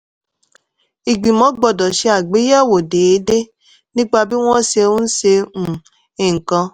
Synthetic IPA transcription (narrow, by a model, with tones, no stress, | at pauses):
i˨ɡ͡bi˨mɔ̃˨˦ɡ͡bɔ˨dɔ˨ʃe˦a˨ɡ͡be˨˦ja˦˨wo˨de˨˦de˦ | nĩ˦k͡pa˧bi˦w̃ɔ̃˦se˧u˦n̩˦se˧m̩˨ | e˨ŋ̩˨kɔ̃˧˦